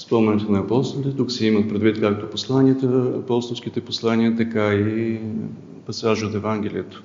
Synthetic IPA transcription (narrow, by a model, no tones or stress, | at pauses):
spɔmnɛnɛt̪onɐɐpɔst̪ot̪ɛt̪uksɛimət̪̚pɾɛd̪vit̪kak̚t̪oposlˠanʲiət̪əɐpɔst̪ofsk̟it̪ɛposlˠaniət̪ɐkai | pɐsaʒot̪ɛvaŋɡ̟ʲɛlʲiət̪ə̥